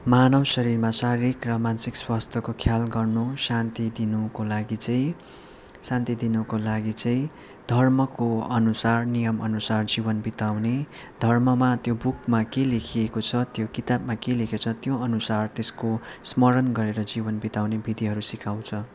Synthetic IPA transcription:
manʌwsʌɾirmasaɾɾikrʌmansikswast̪ʰʌkokʰjalɡʌrnusant̪id̪inukolaɡit͡sʌĩ | sãnt̪id̪inukolaɡit͡sʌĩ | d̪ʱʌrmʌkoʌnusarnijʌmʌnusard͡zibʌnbit̪awne | d̪ʱʌrmʌmat̪jobukmakelekʰiekot͡sʰʌt̪jokit̪abmakelekʰet͡sʰʌt̪joʌnusart̪eskosmʌɾʌnɡʌɾeɾʌd͡zibʌnbit̪awnebʱid̪iɦʌɾusikʰaw̃t͡sʰʌ

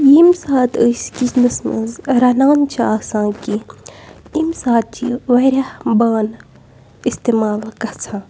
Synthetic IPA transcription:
jimsaːt̪əskisnɨsnə̰zɾɐnaːnt͡ʃʰaːsãːki | imsaːt̪̚t͡ʃʰiʋɐɾɐhbaːn | ist̪emaːlkɐt͡sʰãː

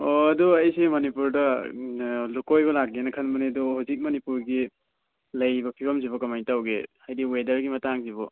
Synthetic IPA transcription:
oɐduɐjsemɐnipuɾdɐ | lukojɡɔlak̚ːenɐkʰɐnmɐnedɔhazik̚mɐnipuɾɡi | lɐjbɐpʰibʰɐmziβɐkɐmajtawɡḛhajdiwedɐɾɡimɐtaŋziβɔ

